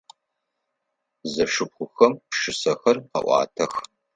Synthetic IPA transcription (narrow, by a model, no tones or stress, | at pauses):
zɐʂɨpxʷʊxɐmpʂɨsɐxɐrqɐ̰ʔʷɑ̰ːtʰɐx